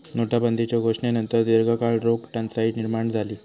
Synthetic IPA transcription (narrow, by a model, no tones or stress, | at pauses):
noʈabənd̪ʱit͡ɕjaɡʱoʂɳenənt̪əɾd̪iɾɡʱəkaɭɾoɡʈãnsaɦiniɾmaɳd͡zʱaliː